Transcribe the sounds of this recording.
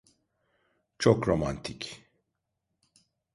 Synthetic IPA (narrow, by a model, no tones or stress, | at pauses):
t͡ʃʰokɾoma̰nt̪ʰic